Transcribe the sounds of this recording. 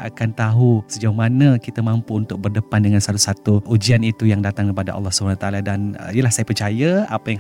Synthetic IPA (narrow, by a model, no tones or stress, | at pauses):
ʔakant̪aɦusəd͡ʒawmanəkit̪amampuunt̪ʊk̚bərdəpandəŋansat̪usat̪uʔud͡ʒianit̪ujaŋdat̪aŋəɾipada̰ʔɑ̰lːɔhsəbunanut̪aladan̰ijəlahsajapərt͡ʃajaapajaŋ